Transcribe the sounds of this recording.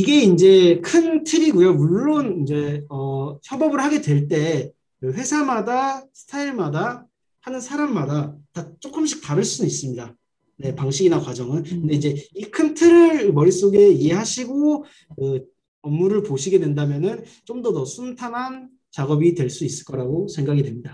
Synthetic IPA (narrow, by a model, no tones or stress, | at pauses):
iɡe̞ind͡ʑe̞kʰɯntʰɯɾiɡujomuɭːonind͡ʑe̞ʌçjʌbʌbɯɭhaɡe̞dwe̞ɭt͈e̞ | kɯɸwe̞sʰamadasʰɯ̥tʰaiɭmada | hanɯnsʰaɾamːadatat͡ɕ͈ok͈ɯmɕʰi̥k̚t͈aɾɯɭs͈uduis͈ɯmɲida | ne̞paŋɕʰiɡinakwad͡ʑʌŋɯnkɯnde̞ind͡ʑe̞ikʰɯmtʰɯɾɯɭmʌɾis͈oɡe̞ie̞ɦaɕʰiɡo | kɯ | ʌmːuɾɯɭpoɕʰiɡe̞dwe̞ndamjʌnɯn | t͡ɕomdʌnʌsʰuntʰanɦan | t͡ɕaɡʌbitwe̞ɭs͈uis͈ɯ̥ɭk͈ʌɾaɡosʰe̞ŋɡaɡidwe̞mɲida